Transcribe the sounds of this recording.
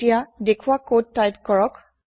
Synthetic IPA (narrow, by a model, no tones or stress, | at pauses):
ijadekʰuwakod̚tːajp̚kɔɹɔk